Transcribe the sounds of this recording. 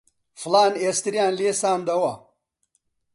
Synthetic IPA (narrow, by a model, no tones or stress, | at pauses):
flaːneːst̪iɾijaːnleːsaːnd̪ɐwɐ